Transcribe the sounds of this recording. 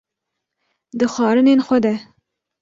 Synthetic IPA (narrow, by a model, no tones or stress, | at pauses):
d̪ɨxɑːɾɨnenxʷəd̪ɛ